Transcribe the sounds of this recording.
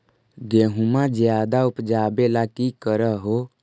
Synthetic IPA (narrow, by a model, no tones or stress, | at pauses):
ɡeːɦumad͡ʒjaːd̪aʊpd͡ʒaːbelakikəɾəɦo